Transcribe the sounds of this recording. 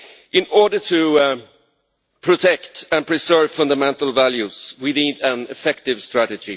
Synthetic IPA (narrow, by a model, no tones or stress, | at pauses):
ʔɪ̃nɔɹɖə˞tʰɨ | pʰɹ̥ɔtʰɛktɨ̃npʰɹ̥ɪsɜ˞vfʌ̃ndamɛ̃ntəl̩ˠvæljʉswinidæ̃nɪfɛktɪvstɹæɾɨd͡ʒi